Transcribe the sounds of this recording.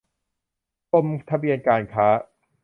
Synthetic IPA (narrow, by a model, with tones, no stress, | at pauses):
t̪o˧mt̪ʰa˧bi˧ənkaː˧nkʰaː˦˥